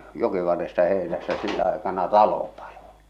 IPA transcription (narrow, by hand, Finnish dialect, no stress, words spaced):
jokiʋɑrːestɑ heˑe̝næsːæ silːæ ɑekɑnɑ tɑlo pɑl̥o̥